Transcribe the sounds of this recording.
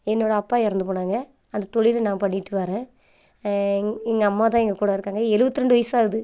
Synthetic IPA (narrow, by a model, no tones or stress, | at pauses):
ɛnːoːɽɐɐpːaːɪɾɐnd̪ɯpoːɳaːŋɡɐ | ɐnd̪ɐt̪ɔɻɪlɐnaːpɐɳːɪʈːɯʋɐɾẽː | ɪŋɡɐɐmːaːt̪̬ãːɛŋɡɐkuːɽɐɪɾɯkːaːŋɡɐɛɻɯʋɐt̪ːɯɾɛɳɖɯʋɐjsaːɯðɯ